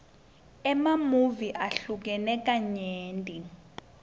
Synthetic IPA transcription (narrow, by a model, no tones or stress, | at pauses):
ɛmamuviʔaɬuk̬ɛnɛk̬ʼaɲeːntʼi